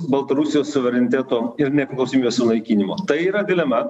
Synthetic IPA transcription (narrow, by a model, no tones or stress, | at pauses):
bɐlˠt̪ɐɾusʲɪjoːssʊʋʲɛɾʲɛnʲɪt̪ʲæːt̪oːɪɾnʲɛpʲɾʲɪklˠɐʊsʲomiːbʲesʲʊnɐɪkʲiːnʲɪmoːt̪ɐɪiːɾɐd̪ʲɪlʲɛmɐ